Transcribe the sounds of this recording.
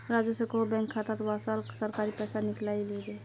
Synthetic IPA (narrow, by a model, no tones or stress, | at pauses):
ɾaːd͡ʒusekobɛ̃ŋkʰːat̪at̪wasalsəɾkaːɾipɛːsanɪklaːiliɡe